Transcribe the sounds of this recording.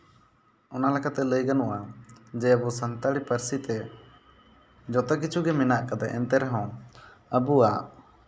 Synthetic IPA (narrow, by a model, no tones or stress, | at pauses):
ɔnalɛkat̪ɛləjɡanɔʔad͡ʒɛəbusənt̪aɽipəɾsit̪ɛ | d͡ʒɔt̪ɛk̬it͡ʃʰuɡɛmɛnaʔkad̪ɛʔɛ̰nt̪ɛɾɛɦɔ̃ | əbuaʔ